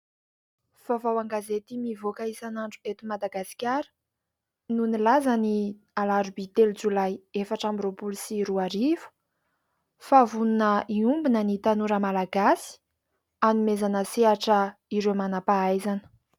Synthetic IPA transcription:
v̥avawaŋɡazet̪imivokaisanaɳɖ͡ʐuet̪umad̪aɡasi̥kʲaɾə̥ | nunilazani | alaɾubit̪eld͡zulajefaʈ͡ʂambiropulusiɾuaɾivu̥ | favununəʔiumbinənit̪anuɾəmalaɡasi̥ | anumezanəseaʈ͡ʂəiɾemanapaajzani̥

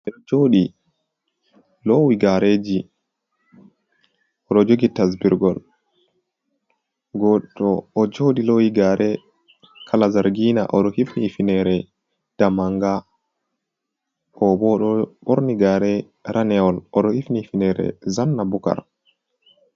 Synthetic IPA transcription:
ɛɗɔd͡ʒoːɗi | lɔwiɡaɾed͡ʒi | ʔɔɗɔd͡ʒoɡitasbiɾɡɔl | ɡɔɗɔːd͡ʒoɗilɔwiɡaɾʔɛ | kʰalazaɾɡinaʔɔɗɔhifnifinɛɾɛ | d̥amaŋɡa | ɔbɔɗɔɓoɾniɡaɾɛ | ɾanɛɔlɔɗɔhifnifinɛɾɛ̰zanːabuka̰ɾ

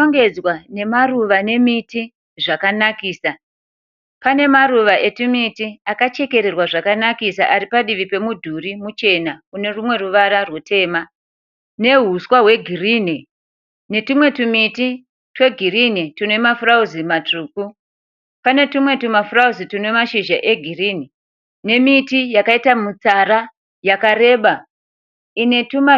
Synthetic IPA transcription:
oŋɡe̞d͡zwane̞maruʋane̞miti | ʐakanakiːsa | pane̞maruʋaʔe̞timitiakat͡ʃe̞ke̞ɾerwaʐakanakisaʔaɾipaɗiʋipe̞mudʱurimut͡ʃe̞naune̞rumwe̞ruʋaɾarwutʰe̞ːma | ne̞ɦuswaɦwe̞ɡʱiriːne | ne̞timwe̞tumiti | twe̞ɡʱirinitune̞mafurauzimatuːku | pane̞tumwe̞tumafurauzitune̞maʃiʒaʔe̞ɡʱirini | ne̞mitijakaitamut͡saɾa | jakaɾe̞ːɓa | ine̞tuma

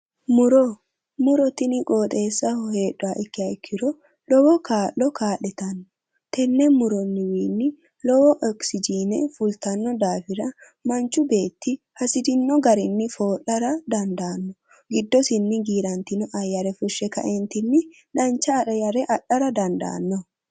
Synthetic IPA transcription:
mʊɾɔ | mʊɾɔt̪ɪnɪkʼoːt̪ʼe̞ːsːɐhe̞ːᶑʊaʔɛkːɪɐɪkʰːɪɾɔ | lɔwɔkaːlːɔkaːlɛt̪ɐnːɔ | t̪ɛnːɛmʊɾɔnːɪwiːnːɪ | lɔwɔʔɔksɪd͡ʒiːnɛfʊlt̪ɐnːɔd̪aːfɪɾɐ | mɐnt͡ʃːʊbe̞ːt̪ːɪ | hɐsɪd̪ɪnːɔɡɐɾɪnːɪfoːʔɐɾɐd̪ɐnd̪aːnːɔ | ɡɪd̪ːɔsɪnːɪɡiːɾɐnt̪ɪnɔʔɐjɐɾɛfʊʃːɛkɐ̰ʔɛnt̪ɪnːɪ | dɐnt͡ʃːɐːɾɐjɐɾɛʔɐᶑːɐɾɐd̪ɐnd̪a̰ːnːɔ

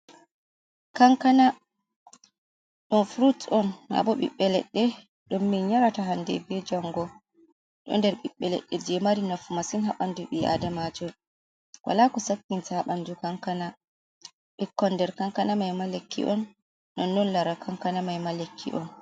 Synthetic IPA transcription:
kaŋkana | ɗɔnfɾutɔnha̰bɔɓḭɓːɛlɛ̰ɗːɛ | ɗɔmːinɲaɾataɦandɛ̰bɛd͡ʒaŋɡɔ | ɗɔ̰ndɛɾɓiɓːɛlɛ̰ɗːɛd͡ʒɛmaɾinafumasinhaɓanduɓia̰damad͡ʒɔ | wʔa̰lakɔsakːintahaɓandukaŋkana | ɓɛkːɔndɛɾkaŋkanamajmalekːḭʔɔnː | ɔnːɔnlaɾakʰaŋkanamajmalekʰːḭʔɔn

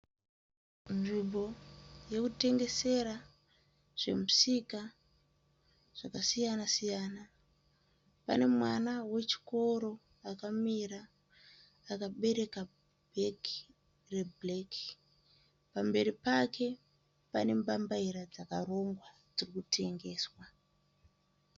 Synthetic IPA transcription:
nʐimbo̞je̞kute̞ŋɡe̞se̞ɾa | ʐ̥e̞̰musika | ʐ̥akasijanasijaːna | pa̰ne̞mwanawe̞t͡ʃi̥ko̞ɾo̞ | akamiɾaː | kaɓe̞ɾe̞ka | beki | re̞bleki̥ | pambe̞ɾipakʰe̞ | pane̞mbambaiɾad͡zakaro̞ŋɡwa | d͡zirikutʰe̞ŋɡe̞ːswa

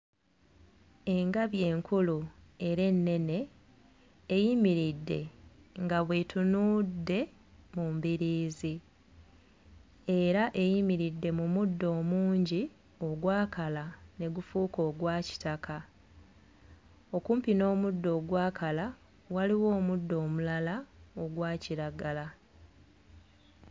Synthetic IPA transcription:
e̞ŋɡaβje̞ːŋkulue̞ɾe̞nːe̞ne̞ː | jimiɾidːe̞ŋɡaβwetunudːe̞ | mumbiɾiːzi | e̞ɾaʔe̞jimiɾidːe̞mumudːo̞ːmuːɲɟi | o̞ɡwaːkalane̞ɡufuːko̞ːɡwaːci̥taka | o̞kuːmpino̞ːmudːo̞ːɡwaːkʰala | waliwo̞ːmudːo̞ːmulalao̞ɡwaːciɾaɡala

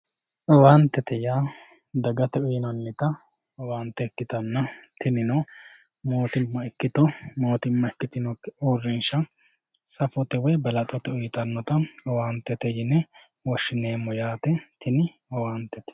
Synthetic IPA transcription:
ʔɔwaːnt̪ːɛt̪ɛjaː | d̪ɐɡɐt̪ɛʊjɪnɐnːɪt̪ɐ | ɔwaːnt̪ːɛɛkːɪt̪ɐnːɐt̪ɪnɪnɔ | mo̞ːt̪ɪmːɐɛkːɪt̪ɔmo̞ːt̪ɪmːɐɛkːɪt̪ɪnɔuːrːɪnʃɐ | sɐfɔt̪ɛwɔjbɐlɐt̪ʼɔt̪ɛʊjɪt̪ɐnːɔt̪ɐɔwaːnt̪ːɛt̪ɛjɪnɛ | wɔʃːɪneːmːɔjaːt̪ɛt̪ʰɪnɪ | ɔwaːnt̪ːɛt̪ɛ̥

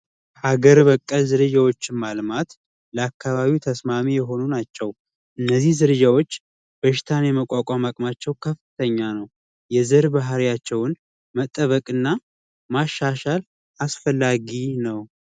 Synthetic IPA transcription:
aɡəɾbəkʼːəlzɨɾɨd͡ʒawo̞t͡ʃːɪnmalmat̪ | ləakːaβaβiwt̪ʰəsmamijɛɦo̞nunat͡ʃːɛw | ʔɨnːəzːihzɨɾɨd͡ʒawo̞t͡ʃː | b̥əʃɪ̥t̪ʰanjɛməkʼakʷʼamakʼmat͡ʃːɛwkʰəfɨt̪ʰəɲːanəw | jɛzɨɾbaɦɾijat͡ʃːɛwʊn | mət̪ʼːəβəkʼɨnːa | maʃːaʃal | asfəlːaɡinəw

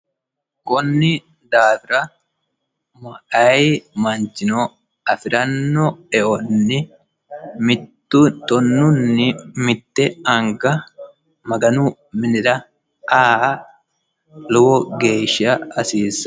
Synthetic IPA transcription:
kɔnːɪ | d̪aːfɪɾɐ | mɐʔɐjɪmɐnd͡ʒɪnɔ | ɐfɪɾɐnːɔɛʔɔnːɪ | mɪt̪ːʊt̪ɔnːʊnːɪmɪt̪ːɛɐŋɡɐ | mɐɡɐnu | mɪnɪɾɐ | ʔaː | lɔwɔɡeːʃɐɐsiːsɐ̥

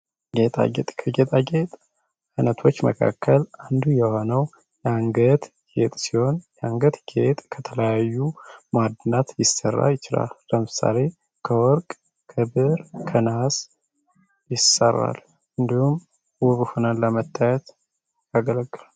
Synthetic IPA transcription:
ɡet̪ʼa̰ɡet̪ʼkʰəɡet̪ʼaɡet̪ʼ | ɨnət̪ʰo̞t͡ʃːməkʰa̰kʰːəland̪ujɛho̞nəw | jaŋɡət̪ | ɡet̪ʼsiho̞njɛaŋɡət̪ɡet̪ʼkʰət̪ʰələjajːumad̪ɨnat̪jɪsərːa̰jɪt͡ʃɪla̰lːəmɨsa̰le̞ | kʰəwɔɾkʼ | kʰɨbɨɾkʰənas | jɪsərːa̰l | ɨnd̪ihum | wɔβɨfɨnələmət̪ʰʼːajɛt̪ | jaɡələɡːɨlal

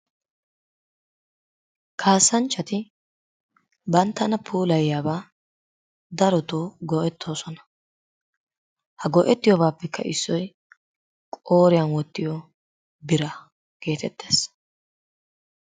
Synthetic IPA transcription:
kʰaːsːɐnt͡ʃːɐt̪ɪ | bɐnt̪ːɐnɐpʰuːlɐjjaːbaː | d̪ɐɾɔt̪oːɡɔʔɛt̪ʰːo̞ːsɔnɐ̥ | hɐɡɔʔɛt̪ːɪjɔbaːpːɛkʰːɐ̰ʔɪsːɔj | kʼoːɾɪjɐnwɔt̪ːɪjɔ | bɪɾɐ | ɡ̥e̞ːt̪ɛt̪ːe̞ːs

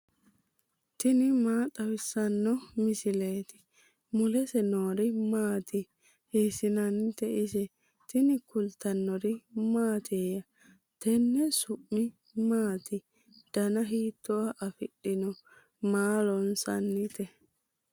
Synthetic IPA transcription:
t̪ɪnɪmaːt̪ʼɐwɪsɐnːɔmɪsɪleːt̪ɪ̥ | mʊlɛsɛnoːɾɪmaːt̪ɪ | hiːsɪnɐnt̪ɛɪsɛ | t̪ɪnɪkʊlt̪ːɐnːɔɾɪmaːt̪ʰeːjɐ | t̪ɛnːɛsʊʔːɪ | maːt̪ɪ | d̪̥ɐnɐɦiːt̪ːɔwaʔɐfɪɗɪnɔ | maːlɔnsɐ̰nːɪt̪ɛ

